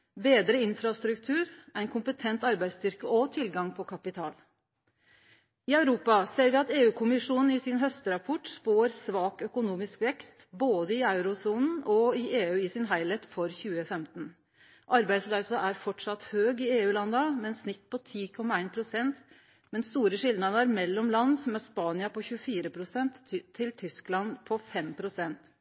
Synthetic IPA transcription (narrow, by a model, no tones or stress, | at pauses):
beːd̪ɾəɪnfɾɑst̪ɾʉkt̪ʰʉːɾæɪnkʰʊmpət̪ʰɛnt̪ɑɾbæɪst̪ʏɾkəɔt̪ʰɪlɡɑŋpʰɔkʰɑpɪt̪ʰɑːl | ɪɑʉɾuːpɑseːɾʋɪɑt̪eːʉːkʰʊmɪʂuːnn̩ɪsɪnɦœst̪əɾɑpʰɔʈspoːəɾsʋɑːkœkʊnuːmɪskʋɛkst̪boːd̪əɪɑʉɾʊsuːnn̩ɔɪʔeːʉːɪsɪnɦæɪlɛt̪fɔɾçʉːəfɛmt̪n̩ | ʔɑɾbæɪd̪slɑɪsɑʔæɾfɔʈʂɑt̪høːɡɪeːʉːlɑnːəmɛnsnɪt̪ːpʰɔt̪ʰiːkʰɔmːɑæɪnpʰɾʊsɛnt̪ | mɛnst̪uːɾəʂɪld̪ɑd̪əɾmɛlːɔmlɑnd̪mɛspɑːnɪɑpɔçʉəfiːɾəpʰɾʊsɛnt̪ʰːɪlt̪ʰʏsklɑnpʰɔfɛmpʰɾʊsɛnt̪